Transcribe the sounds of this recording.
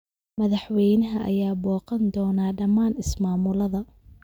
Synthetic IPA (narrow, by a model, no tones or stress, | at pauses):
mɐðɑħwɛjnɐɦɐʔɐjaːbɔːqɐnd̪ɔːnaːɖɐmaːnɪsmaːmʊlɐðɐ